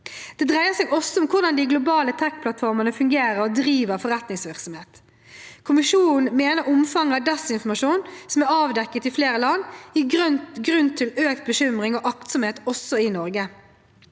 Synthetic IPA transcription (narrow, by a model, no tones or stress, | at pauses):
d̪̥ɛd̪ʁæɪəsɛːɡɔsːɔʊmkʰʊʁd̪ɑnd̪ɪɡlʊbɑːlət̪ʰɛk̚ːpʰlɑt̪fɔʁmənəfʉŋɡeːɾəɾɔd̪ʁiːʋəʁfɔʁɛt̪nɪŋsʋɪʁksɔmheːt̪ | kʰʊmɪʂuːnn̩n̩meːnəɾʊmfɑŋːɑd̪ɛsɪnfɔmɑʂuːnsɔmæɾɑːʋd̪ɛkːət̪ɪfleːɾəlɑnːɪɡʁʉnɡɾʉnt̪ʰɪløːkt̪̚bəʃʏmʁɪŋɔʔɑkt̪sɔmheːt̪ɔsːɔɪnɔɾɡə